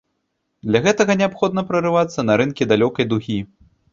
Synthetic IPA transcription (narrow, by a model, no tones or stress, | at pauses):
d̪lʲɐɣɛt̪ɐɣɐnʲɛapxɔd̪nɐpɾɐrɨvat̪sːɐnɐɾɨnkʲid̪alʲɔkɐjd̪uɣʲi